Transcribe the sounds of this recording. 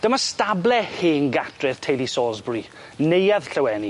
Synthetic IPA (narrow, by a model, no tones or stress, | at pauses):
d̥əmastablɛheːnɡatrɪð̥tʰejlisɔːzbri | nejað̥ɬəwɛni